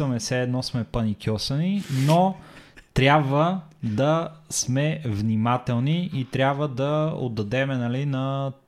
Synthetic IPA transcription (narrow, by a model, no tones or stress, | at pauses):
ɐmɛsɛːd̪nɔsmɛpɐnikʰʲjɔsɐninot̪ɾʲabvəd̪ɐsmɛvnimat̪ɛlˠniʔit̪ɾʲabvəd̪ɐo̰d̪ːɐd̪ɛmɛnɐlinɐ